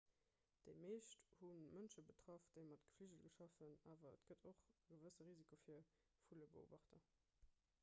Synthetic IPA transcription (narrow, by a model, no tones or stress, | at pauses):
d̥eɪmeːʃthunmənʃəbətʁ̥ɑfd̥əɪmɑtɡ̥ə̥fliʒəlɡəʃɑfənaːvɐə̰tɡ̥ədʰoχɡəvəsəʁizikʰofiːɐ | fuləbəo̰ːbɑχtɐ